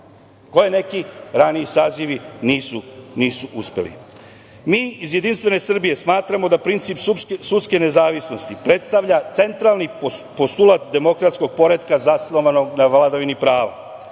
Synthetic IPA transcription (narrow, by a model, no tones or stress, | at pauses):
ko̞jene̞kiɾaniisaːziʋiniːsuniːsuʔuspe̞̰lḭ | miːizje̞d̪inst̪ʋe̞ne̞sr̩bije̞smaːt̪ɾamo̞d̪apɾint̪sipsut̪ske̞ne̞zaːʋisno̞st̪ipɾe̞t̪st̪aʋʎat̪se̞nt̪ɾalˠnipo̞st̪ulˠat̪d̪e̞mo̞kɾat̪sko̞ɡ̚po̞ɾe̞d̪kazaslˠoʋano̞ɡnaʋlad̪aʋinipɾaːʋa̰